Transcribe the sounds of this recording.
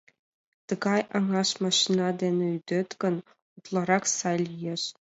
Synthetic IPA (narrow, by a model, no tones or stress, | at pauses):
t̪ɤ̆ɡɑjɑŋɑʃmɑʂinɑd̪ʲenʲĕyd̪ʲɘ̆t̪kʲɘ̆n | ut̪lˠɑɾɑχsɑlʲjeʂ